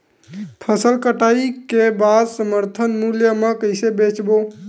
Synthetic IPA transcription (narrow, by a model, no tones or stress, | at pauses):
pʰəsəlkəʈaikebad̪səməɾt̪ʰənmuljəmekəɪsebet͡ʃbo